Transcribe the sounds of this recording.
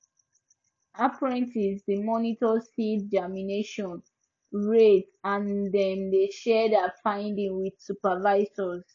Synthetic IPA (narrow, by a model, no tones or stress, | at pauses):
apɹɛ̃ntizdimɔnitɔsidd͡ʒamineʃɔ̃n | ɹet | ãndɛ̃mdeʃɛdafãɪ̃ndĩŋwid̥supavaɪzɔz